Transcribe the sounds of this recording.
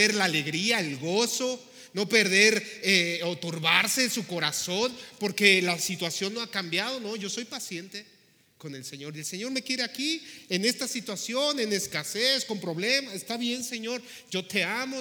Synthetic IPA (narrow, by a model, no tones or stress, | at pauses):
eɾlaːle̞ɣɾiaelɣo̞so̞ | no̞pe̞ɾðe̞ɾeot̪uɾβaɾse̞suko̞ɾaso̞npo̞ɾke̞lasit̪wasjo̞nːo̞akambjað̞o̞no̞ʝo̞so̞jpasje̞nt̪e̞ | ko̞ne̞lse̞ɲo̞ɾelse̞ɲo̞ɾme̞kje̞ɾe̞akiene̞st̪asit̪wasjo̞ne̞ne̞skase̞sko̞mpɾo̞βle̞masest̪aβje̞nse̞ɲo̞ɾ | ʝo̞t̪e̞amo